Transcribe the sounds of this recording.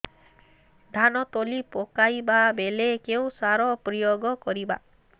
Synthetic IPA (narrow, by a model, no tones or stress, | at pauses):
d̪ʱanɔt̪olipokajbabelekew̃saɾɔpɾijoɡɔkɔɾiba̰